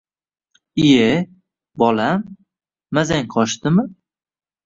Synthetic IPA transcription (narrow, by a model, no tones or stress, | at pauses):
ije | bɒlamː | azaŋqʰɒʃt̪ɪmɪ